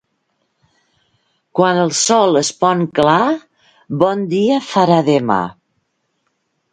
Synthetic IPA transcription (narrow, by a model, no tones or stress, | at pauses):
kwanəlˠsɔləspɔŋkla | bɔnd̪iəfaɾaðəma̰